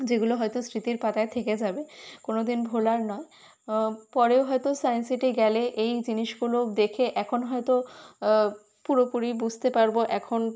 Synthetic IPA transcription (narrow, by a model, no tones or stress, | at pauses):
d͡ʑeɡuloɦɔjt̪osɾit̪iɾpat̪aet̪ʰeked͡ʑabekonod̪inbʱolaɾnɔe | pɔɾeoɦɔet̪osajensiʈiɡɛleʔejd͡ʑiniʃɡulod̪ekʰeʔɛkʰonɦɔet̪o | puɾopuɾibud͡ʑʱt̪epaɾboʔɛkʰon